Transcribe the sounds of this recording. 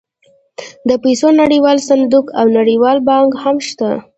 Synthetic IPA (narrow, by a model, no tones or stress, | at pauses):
d̪əpesonaɽiwɑlsand̪ukawnaɽiwɑlbɑŋkhamʃt̪a